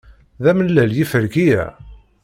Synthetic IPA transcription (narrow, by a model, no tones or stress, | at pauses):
ðæməlːæljifəɾɡijæ̰